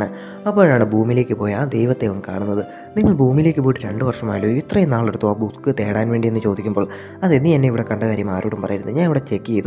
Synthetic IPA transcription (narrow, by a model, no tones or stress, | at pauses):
ɳɨ | ɐpːoːɻaːɳɨbʱuːmile̞ːkːɨpoːjaːd̪ejʋɐt̪ːeʋɐŋːkaːɳunːɐðɨ | niŋːɐɭbʱuːmile̞ːkːɨpoːjʈːɨɾe̞ɳɖɨʋɐrʂɐma̰ːjljoit̪rɐjenaːɭeɽut̪ːuaːbut̪kːɨt̪e̞ːɽaːnʋe̞ːɳɖienːɨt͡ɕo̞ːd̪ikʲːumboːɭ | ɐðenːienːeiʋiɽe̞kɐɳɖɐkaːɾjɐmaːɾoːɽumpɐrɐjiɾunːɨɨɲaːniʋiɽe̞t͡ɕe̞kːijejðu